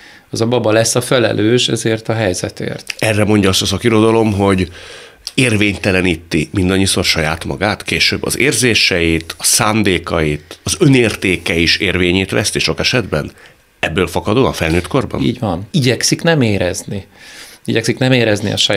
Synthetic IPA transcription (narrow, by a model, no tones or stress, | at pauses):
ɒzɒbɒbɒlɛsːɒfɛlɛ̰lʔøːʃɛzeːrt̪ɒɦɛjzɛt̪ḛːrt̪ɛrːɛmo̞ɲɟɒɒst̪ɒsɒkiɾo̞d̪ɒlo̞mɦo̞ɟ | eːrveːɲt̪ɛlɛniːt̪ːimind̪ɒɲːiso̞rʃɒjaːt̪mɒ̰ɡaːt̪keːʃøbːɒ̰zeːrzeːʃɛjit̪ʰɒsaːnd̪eːkɒjit̪ɒzø̞neːrt̪eːkɛiʃeːrveːɲeːt̪ʋɛ̰st̪iʃo̞kɛʃɛd̪bɛn | ɛbːøːlfɒkɒd̪oːɒ̰ɱfɛlnøːt̪ko̞rbɒ̰nḭːɟʋɒniɟɛksiknɛmeːɾɛzniiɟɛksiknɛmeːɾɛznḭɒ̰ʃɒ